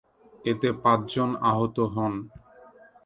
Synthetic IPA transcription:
et̪epãt͡ɕd͡ʑonaɦot̪oɦɔn

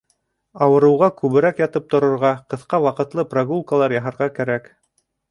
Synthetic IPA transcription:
ɑwɤ̆ɾɤ̆wʁɑkʉβɘ̆ɾækjɑt̪ɤp̚t̪ŏɾɤ̆ɾʁɑqɤ̆θqɑwɑqɤ̆t̪lˠɤpraɡulˠkalˠɑɾjɑɦɑ̆ɾʁɑkæɾæk

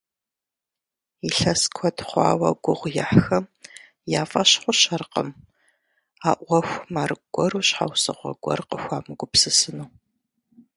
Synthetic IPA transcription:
iɬɐskʷʰɔtχʷɑ̰ːwɐɡʷʊʁʷjaħxɐm | jaːfʼɐɕħʷʊɕɐrqə̰m | aːʔʷɔxʷmaːrɨɡʷɔɾuːɕħa̰wsɨ̰ʁʷɔ̰ɡʷɔ̰rqəxʷaːmɨɡʷʊpsɨsɨnuː

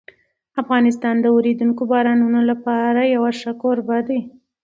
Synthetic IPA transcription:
afɣɑnɪst̪ɑnd̪əoɾed̪uŋkobɑɾɑnunolapɑɾajawaʂakoɾbad̪e

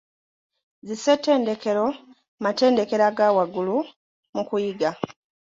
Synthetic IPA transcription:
zisetːe̞ːnde̞ke̞ɾo̞ | mate̞ːnde̞ke̞ɾaɡawaɡulu | mukujiɡa

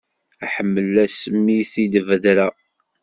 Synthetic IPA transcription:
æħəmːəlːæsəmːiθid̪əvəðɾæ

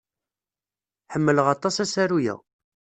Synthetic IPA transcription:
ħəmːələʁɑt̪ˤɑsæsæɾujæ̰

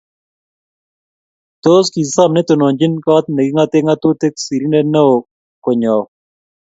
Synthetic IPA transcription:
t̪oːskisamnet̪onoːnd͡ʑinkaːt̪nɐɡiŋɡat̪eŋɡat̪ut̪eksiɾineneo | koɲaːw

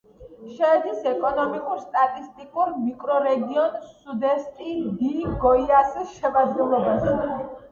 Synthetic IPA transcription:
ʃɛːd̪isɛkʼɔnɔmikʼuɾst̪ʼat̪ʼist̪ʼikʼuɾmikʼɾɔɾɛɡiɔnsud̪ɛst̪ʼid̪iɡɔiasisʃɛmad̪ɡɛlˠɔbasɛ

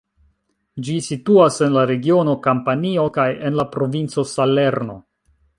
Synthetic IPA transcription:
d͡ʒisituase̞nlaɾe̞ɡio̞no̞kampanio̞kaje̞nlapɾo̞vint͡so̞sale̞ɾno̞̰

